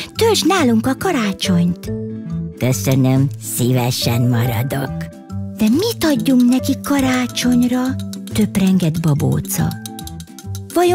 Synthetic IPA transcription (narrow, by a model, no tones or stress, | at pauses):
t̪ølʒnaːluŋkɒkɒɾaːt͡ʃo̞ɲt̪ | køsønømsivɛʃɛnmɒɾɒ̰d̪ok | d̪̥ɛmit̪ɒɟːuŋknɛkikːɒɾaːt͡ʃo̞ɲrɒt̪øbrɛŋɡɛd̪bɒbo̰ːt̪sɒ̰ | vɒjo